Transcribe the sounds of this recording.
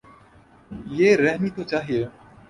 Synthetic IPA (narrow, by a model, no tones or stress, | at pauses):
jeːɾɛɦmiːt̪ot͡ʃaːɦieː